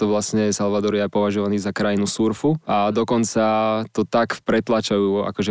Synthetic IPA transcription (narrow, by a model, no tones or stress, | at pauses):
t̪ɔʋlasɲɛsalʋad̪ɔɾjɛajpɔʋaʒɔʋaniːzakɾajinusuɾfuad̪ɔkɔnt͡sat̪ɔt̪akpɾɛt̪lat͡ʃajuːa̰kɔʒɛ